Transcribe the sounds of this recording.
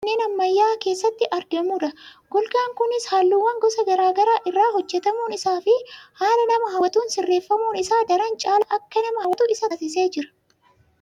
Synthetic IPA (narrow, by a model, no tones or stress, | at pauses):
nːe̞ːnɐmːɐjːaːke̞ːsːɐt̪ːɪʔɐɾɡɐmʊᶑ̪ɐɡ̥ɔlɡaːŋkʊnɪshaːlːuːwːɐŋɡɔsɐɡɐɾaːɡɐɾaːʔɪrːaːɦɔd͡ʒːɛt̪ɐmuːnɪsaːfɪhaːlɐnɐmɐɦɐwɐt̪uːnsɪrːe̞ːfːɐmuːnɪsaːd̪ɐɾɐnt͡ʃʼaːlɐʔɐkːɐnɐmɐhɐwɐt̪uɪsɐsɪse̞ːd͡ʒɪɾɐ̥